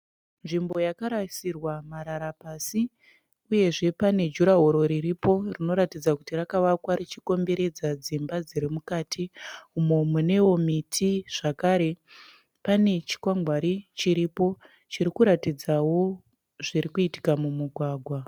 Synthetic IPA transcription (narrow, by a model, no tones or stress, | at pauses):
nʐimbo̞jakaɾasirwamaɾaɾapasi | uje̞ʐe̞pane̞d͡ʒuɾaɦoɾo̞ɾiɾipo̞rino̞ɾatid͡zakutirakaʋakwaɾit͡ʃiko̞mbe̞ɾe̞d͡zad͡zimbad͡ziɾimukaːtʰiumomune̞wo̞mitʰiʐ̥akaɾe̞ | pane̞t͡ʃi̥kwaŋɡwaɾit͡ʃiɾipo̞ | t͡ʃiɾikuɾatid͡zawo̞ | ʐiɾikuiti̥kamumuɡʱwaːɡʱwa